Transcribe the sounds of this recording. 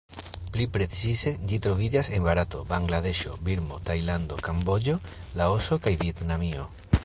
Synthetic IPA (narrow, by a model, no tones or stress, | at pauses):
plipɾe̞t͡sise̞d͡ʒit̪ɾo̞vid͡ʒase̞nbaɾat̪o̞baŋɡlade̞ʃo̞biɾmo̞tajland̪o̞kambo̞d͡ʒo̞lao̞so̞kajvie̞tnamio̞̰